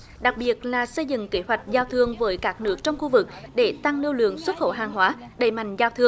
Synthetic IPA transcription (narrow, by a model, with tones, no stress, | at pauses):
ɗa˨˩k̚ɓi˨˩ət̚laː˨˩sə˧jzɨ̰˧˨ŋke˨˦hwa˨˩jk̟̚zaː˧wt̪ʰɨ˧əŋvəː˨˦jkaː˦˥k̚nɨ˦˥ək̚t͡ɕɔ˧wŋ͡mxu˧vɨ˨˩k̚ɗe˧˩t̪a˧ŋnɨ˧əwlɨ̰˧˨əŋswə˦˥t̚xə̰˧˩wɦaː˨˩ŋɦwaː˨˦ | ɗe˧˩jma̰˧˨jŋ̟zaː˧wt̪ʰɨ˧əŋ